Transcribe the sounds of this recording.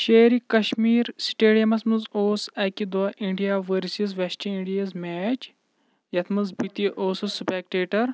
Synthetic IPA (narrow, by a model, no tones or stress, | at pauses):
ʃeːɾikɐʃmiːɾsʈeːɖijɐmɐsmɐzoːsɐkid̪ʋaʔiɳɖijaːʋəɾsizʋesʈɐiɳɖijɐzmɛːt͡ʃ | jɐt̪ʰmɐnzbit̪iʔoːsɐspek̚ʈeːʈɐɾ